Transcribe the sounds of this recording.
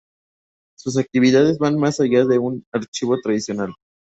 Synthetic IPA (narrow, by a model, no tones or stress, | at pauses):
sus̬ak̚t̪iβiðaðe̞zβanmasaʝaðe̞unaɾt͡ʃiβo̞t̪ɾaðisjo̞nal